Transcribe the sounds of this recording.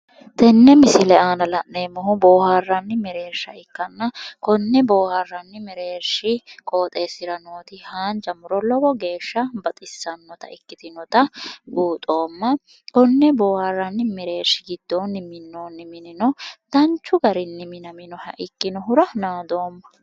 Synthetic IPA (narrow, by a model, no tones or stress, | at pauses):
t̪ɛnːɛmɪsɪlɛaːnɐlɐʔneːmːɔɦʊboːharːɐnːɪmɪɾe̞ːɾʃːɐɪkːɐnːɐkɔnːɛboːharːɐnːɪmɛɾe̞ːɾʃɪkʼoːt̪ʼeːsɪɾɐnoːt̪ɪhaːnd͡ʒɐmʊɾɔlɔbɔɡe̞ːʃːɐbɐt̪ʼɪsːɐnːɔt̪ɐ̰ɪkːɪt̪ɪnɔt̪ɐbuːt̪ʼo̞ːmːɐ | kɔnːɛboːharːɐnːɪmɛɾe̞ːɾʃɪɡɪd̪̥ːo̞ːnːɪmɪnːoːnːɪmɪnɪnɔd̪̥ɐnt͡ʃːʊɡɐɾɪnːɪmɪnɐmɪnɔhɐ̰ʔɪkːɪnɔɦʊɾɐnaːd̪o̞ːmːɐ